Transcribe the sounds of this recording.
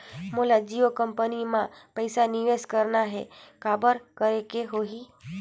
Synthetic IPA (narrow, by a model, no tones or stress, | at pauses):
mulad͡ʒiʋəkəmpənimãpəjsaniʋeskəɾnaɦḛkabəɾkəɾekeɦoɦi